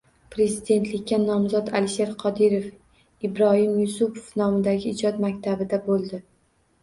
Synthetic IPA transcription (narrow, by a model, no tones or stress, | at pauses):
pɾe̞zɪd̪e̞nt̪ʰlɪkʲːanɒmzɒt̪alɪʃe̞ɾqʰɒd̪ɪɾef | ɪbɾɒhɪmjʊsʊpʰo̥fnɒmɪd̪aɡʲɪɪd͡ʒɒt̪makʲt̪ʰabɪd̪abolˠd̪ɪ